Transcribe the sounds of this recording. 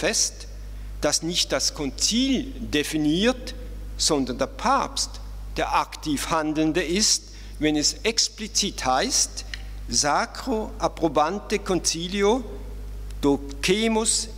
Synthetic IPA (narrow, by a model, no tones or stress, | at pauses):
fɛst | d̥asnɪçt̚d̥askʰɔnt͡siːldefiniːɐt | z̥ɔndɐndeːɐpʰaɐpst | d̥eːɐʔaktʰiːfhandl̩ndəɪst | vɛnɛsɛksplit͡siːthaɪst | zaːkʁ̥oʔapʁobantəkʰɔnt͡siːljo | d̥o | kʰeːmʊs